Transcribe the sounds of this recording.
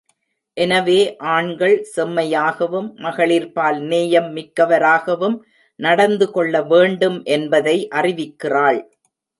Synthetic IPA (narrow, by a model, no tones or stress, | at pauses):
ʔɛnɐʋeːʔaːɳɡɐɭsɛmːɐjaːɣɐʋɯmːɐɣɐɭɪɾpaːlneːjɐmːɪkːɐʋɐɾaːɣɐʋɯm | nɐɽɐnd̪ɯkɔɭːɐʋeːɳɖɯmʔɛnbɐðɐɪʔɐrɪʋɪkːɪraːɭ